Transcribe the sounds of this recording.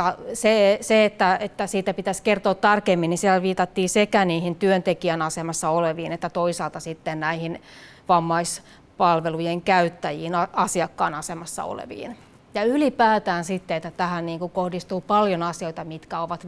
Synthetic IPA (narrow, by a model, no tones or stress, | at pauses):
ɑseseet̪ːæet̪ːæsiːt̪æpit̪æskert̪oːt̪t̪ːɑrkemːinisiælʋiːt̪ɑt̪ːiːsekæniːhint̪yønt̪ekiænɑsemɑsːɑoleʋiːnet̪ːæt̪oisɑːlt̪ɑsit̪ːennæihin | ʋɑmːɑis | pɑlʋelujeŋkæyt̪ːæjiːnɑɑsiɑkːɑːnɑsemɑsːɑ̰o̰lḛʋḭːn | jɑylipæːt̪æːnsit̪ːeet̪ːæt̪æhænniːŋkukohdist̪uːpɑljonɑsioit̪ɑmit̪kæoʋɑt̪